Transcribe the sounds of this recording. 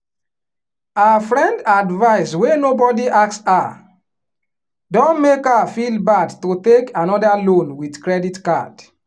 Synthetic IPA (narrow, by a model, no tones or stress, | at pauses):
afɹɛ̃ndadvaɪswenobɔdiʔaksa | dɔ̃nmekafilbadtotekʰanɔdalõnwidkɹɛditka̰d̥